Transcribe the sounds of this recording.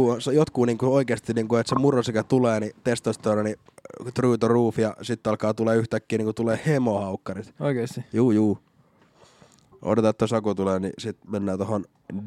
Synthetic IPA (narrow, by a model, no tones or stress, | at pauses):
uonsejot̪kuːniːŋkuoikeːst̪iniːŋkuet̪semurosikæt̪uleːnit̪est̪ɑst̪oɾɑni | t̪ryːt̪oruːfijɑsit̪ːɑlkɑːt̪uleːyht̪ækːiːniːŋkut̪uleːhemohɑukːɑrit̪oikesijuːjuː | o̰det̪ɑt̪ːæsɑkut̪uleːnisit̪menːæːt̪ohon